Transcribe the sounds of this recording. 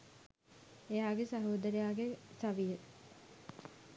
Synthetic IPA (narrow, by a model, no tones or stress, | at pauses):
ejaːɡesaɦoːd̪əɾejaːɡesaʋijə